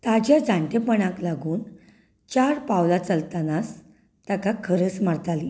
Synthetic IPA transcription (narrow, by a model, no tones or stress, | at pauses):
t̪ad͡ʑjad͡zãɳʈ̪epəɳãklaɡuːn | t͡ɕaɾpawlat͡səlt̪anas | t̪akakʰəɾəsmaɽt̪ali